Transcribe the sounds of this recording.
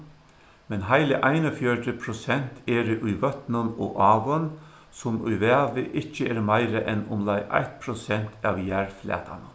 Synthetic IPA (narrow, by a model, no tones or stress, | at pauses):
mɛnɦaɪlɪʔaɪnɔfjœʈəpʰɾʊsɛn̥t̪ʰɛːɾɪʔʊjʋœt̪nənɔ̰ʔɑːʋən | sʊmʊ̰jʋɛːʋɪʔɪt͡ʃːəɛɾmaɪɾəʔɛnʊmlajʔa̰jht̪̚pʰɾɔsɛn̥t̪ʰɑʋjæɹflɛ̰ːt̪ʰa̰nə